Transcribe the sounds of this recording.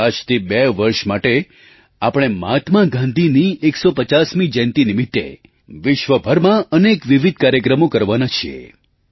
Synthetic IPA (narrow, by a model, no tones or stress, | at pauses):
ad͡ʒt̪ʰibɛʋəɾʃmaʈe | apəɽ̃emat̪maɡãnd̪ʱinieksopət͡ʃasmĩd͡ʒɛnt̪inimɪt̪ːḛ | ʋɪʃʋəbʱəɾmãənekʋiʋid̪̚ʱkaɾjəkɾəmokəɾʋanat͡ʃʰḭḛ